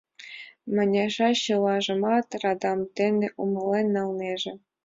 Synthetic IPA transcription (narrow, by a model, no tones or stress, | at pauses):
mɘ̆nʲɑʐɑɕɤ̆lˠɑʐɤ̆mɑt̪rɑd̪ɑmt̪ʲenʲĕʔumɤ̆lenʲːɑlˠnʲeʒĕ